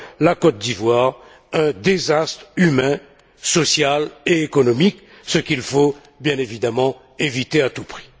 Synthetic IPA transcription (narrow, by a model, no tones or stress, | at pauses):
lakɔt̪̚d̪ivwaːʁ | ɛ̃d̪ezast̪χymɛ̃ | sɔsjaleekɔnɔmik | səkʲilfo | bjɛ̃nevid̪amɑ̃ | evit̪eat̪upχi̥